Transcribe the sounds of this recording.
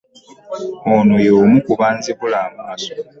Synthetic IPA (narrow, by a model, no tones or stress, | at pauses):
onojoːmukuβaːnziβulaːmumaso̥